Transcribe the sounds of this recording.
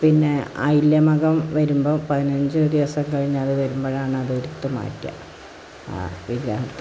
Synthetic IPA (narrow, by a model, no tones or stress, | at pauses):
pinːe̞ɐ̰jiljɐmɐɣɐmʋɐɾumboːpɐðinɐɲd͡ʑɨd̪iʋɐsɐmkɐɻiɲːaːðɨʋɐɾumboːɻaːɳɨɐðoɾut̪ːɐma̰ːʈːijɐ̰ | ʋiɡɾaːɦɐt̪ː